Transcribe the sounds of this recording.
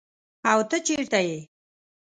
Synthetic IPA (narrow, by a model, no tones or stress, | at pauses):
awt̪ət͡ʃeɾt̪aje